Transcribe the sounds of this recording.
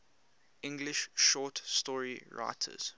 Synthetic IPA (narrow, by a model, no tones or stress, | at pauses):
ʔɪ̃ŋɡlɪʃʃɔtstɔɹiɹa̰ɪtʰə̰z̥